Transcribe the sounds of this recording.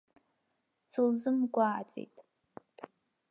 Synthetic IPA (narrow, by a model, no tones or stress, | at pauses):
t͡sʰɨlzɨmɡʷaːt͡sʼḭjtʼ